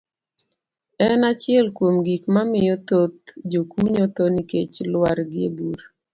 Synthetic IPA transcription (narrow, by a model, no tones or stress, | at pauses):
ɛnat͡ʃɪɛlkwomɡikmamɪjɔt̪ot̪̚d͡ʒokuɲot̪onikḛt͡ʃlwaɾɡɪḛbuɾ